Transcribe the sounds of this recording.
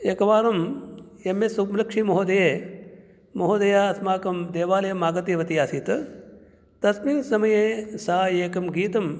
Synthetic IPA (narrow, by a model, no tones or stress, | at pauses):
ekɐʋaːɾɐm | jɐmːesumlɐkʂimɐɦoːd̪ɐjeː | mɐɦoːd̪ɐjaːɐsmaːkɐmd̪eːʋaːlɐjɐmaːɡɐt̪iːʋɐt̪ijaːsiːt̪ | t̪ɐsmiːnsɐmɐjeːsaːjeːkɐmɡiːt̪ɐm